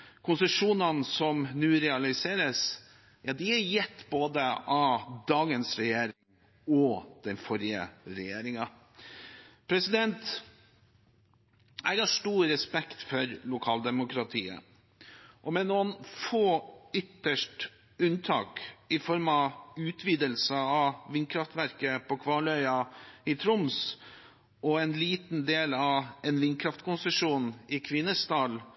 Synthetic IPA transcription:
kʰʊnsəʂuːnɑnsɔmnʉːɾɛɑlɪseːɾəs | jɑd̪ɪæjɛt̪ːboːd̪əɑd̪ɑːɡənsɾɛjeːɾɪŋ | ɔd̪̥ɛnfɔɾɪə̰ɾɛjeːɾɪŋɑ | pʰɾɛsɪd̪ɛnt̪ | ɛɡɑʂʈuːɾɾɛspɛkt̪fɔɾlʊkʰɑːld̪ɛmʊkɾɑt̪ʰiːə̰ | ʔɔmɛnoːnfoːʏt̪ːəʂʈ | ʉnt̪ʰɑ̰ːkɪfɔɾmɑʉːt̪ʰʋiːd̪əlsəɑʋɪnkʰɾɑft̪ʋæɾkəpɔkʰʋɑːɭœʏɑɪt̪ʰɾʊms | ɔɛnliːt̪n̩d̪eːlɑɛnʋɪnkʰɾɑft̪kʰʊnsəʂuːnɪkʰʋɪnːəsd̪ɑːl

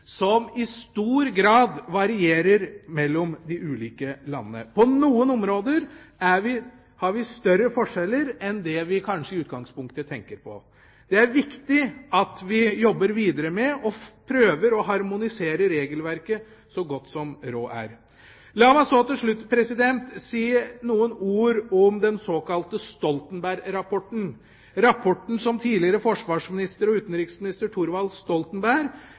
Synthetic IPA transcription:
sɔmɪst̪uːɾɡɾɑːd̪ʋɑɾɪeːɾəɾmɛlːɔmd̪ɪʔʉːliːkəlɑ̰nːənə̰pʰɔnuːənɔmɾoːd̪əɾæʋɪ | hɑɾʋɪst̪œɾːəfɔʂɛlːəɾɛnd̪ɛʋɪkʰɑnʂəɪʉːt̪ɡɑŋspʊŋk̚t̪ət̪ʰɛŋkəɾpʰɔ̰ | d̪̥ɛæɾʋɪkt̪ɪɑt̪ʋɪjɔbːəɾʋiːd̪əɾəmɛɔpʰɾøːʋəɾɔɦɑɾmʊnɪseːɾəɾeːɡəlʋæɾkə | sɔɡɔt̪ːsɔmɾoːʔæ̰ɾ | lɑːmæsoːt̪ɪlʂɭʉt̪ːpʰɾɛsɪd̪ɛnt̪siːnuːənuːɾɔmd̪ɛnsoːkʰɑlt̪əst̪ɔlt̪ənbæɾɾɑpʰɔʈn̩ | ɾɑpʰɔʈn̩sɔmt̪ʰiːlɪəɾəfɔʂʋɑːʂmɪnɪst̪əɾɔʉːt̪nɾɪksmɪnɪst̪əʈʰuːɾʋɑlst̪ɔlt̪ənbæɾ

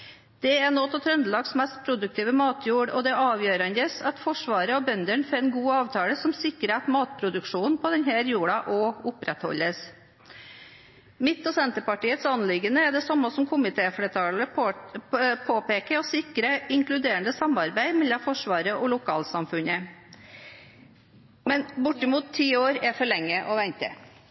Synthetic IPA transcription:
d̪̥ɛænoːt̪ʰɔt̪ʰɾœnd̪lɑɡsmɛst̪pʰɾʊd̪ʉk̚t̪ʰiːʋəmɑːt̪ʰjuːɖɔ̰d̪ɛɑːʋjøːɾɑnd̪əsɑt̪fɔʂʋɑːɾəɔbœnd̪əɳfɔɾɛnɡuːɑːʋt̪ʰɑːləsɔmsɪkːəɾɛt̪mɑːt̪pʰɾʊd̪ʉkʂuːn̩pʰɔd̪ɛnɦæːɾjuːɽɑʔɔʊpɾɛt̪hɔ̰lːəs | mɪt̪ːɔsɛnt̪əpɑʈiːət̪sɑnlɪɡənəɛd̪ɛsɑmːəsɔmkʰʊmɪt̪ʰeːfleːt̪ʰɑːlə | pʰoːpeːkəɾɔsɪkɾəɪŋklʉd̪eːəɳd̪əsɑmɑɾbæɪmɛlːɑfɔʂʋɑːɾəʔɔlʊkʰɑːlsɑmfʉnə | mɛnbʊʈːɪmuːt̪ʰːiːoːɾɛfɔɭɛŋːəʔɔʋɛnt̪ə̰

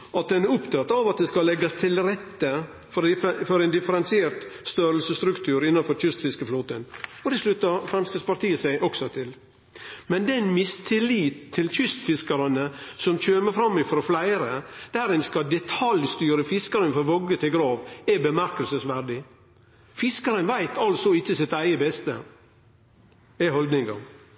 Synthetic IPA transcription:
ʔɑt̪̚d̪ɛnɛɾʊpt̪ʰɑt̪ːɑʋɑt̪̚d̪ɛskɑlɛɡɑst̪ʰɪlɾɛt̪ːə | fɔɾfɔɾɛɪnd̪ɪfəɾɛnsɪeːɾt̪st̪øɾəlsəst̪ɾʉkt̪ʰʉːɾɪnːɑnfɔɾçʏst̪fɪskəfluːt̪ənɔd̪ɛsʂlʉt̪ːəɾfɾɛmst̪əspʰɑɾt̪iːəsæɪʔɔksɔt̪ʰɪl | mɛnd̪ɛnmɪst̪ʰɪliːt̪ʰːɪlçʏst̪fɪskɑɾənəsɔmçøːməfɾɑmːɪfɾɔflæɪɾəd̪̥æɾɪnskɑd̪ɛt̪ʰɑljst̪yːɾəfɪskəɾənfɔɾʋɔɡət̪ʰɪlɡɾɑːʋɛbəmæɾkəlsəsʋæɾɖɪ | fɪskəɾənʋæɪt̪ʰɑlsɔɪçːəsɪt̪æɪəbɛst̪ə | ɛhɔld̪nɪŋɡɑ̰

